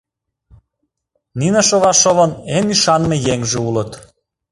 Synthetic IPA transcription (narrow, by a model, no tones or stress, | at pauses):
nineʃoβɑʃoβə̆nemyʃɑnmejeŋʒeulət̪